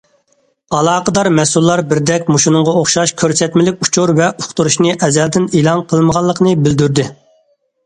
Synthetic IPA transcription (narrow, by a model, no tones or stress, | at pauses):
ɑlˠɑːqʰəd̪ɑɾmɛsulˠːɑɾbɪɾd̪ɛkʲmuʃunʊɴʁɑoχʃɑʃkʲʰøɾsɛt̪mɪlɪkʲut͡ʃʰuɾvɛʔuχt̪uɾuʃnɨʔɛzɛld̪ɪneːlˠɑnqʰəlˠməʁɑlˠːəqʰnɨbɪld̪yɾd̪ɪ